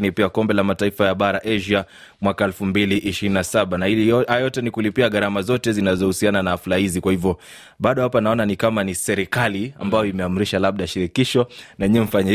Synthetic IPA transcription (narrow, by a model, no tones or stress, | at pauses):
nipiakɔmbɛlamataifajaɓaɾaʔɛʒia | mwakaɛlfumbiliʔːʃiɾininasaɓanaiajɔtɛnikulipiaɠaɾamazɔtɛzinazɔhusiananaːflahizikwahivjɔ | ɓaɗɔhapanaɔnanikamanisɛɾikalia̰mbajɔimɛam̩ɾiʃalaɓ̚ɗaʃiɾikiʃɔnaɛɲiɛm̩faɲa